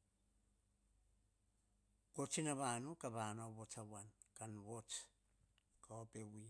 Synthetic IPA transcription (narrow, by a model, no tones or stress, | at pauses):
kot͡ʃinaβanukaβanaβot͡sawankanwot͡s | kaopewi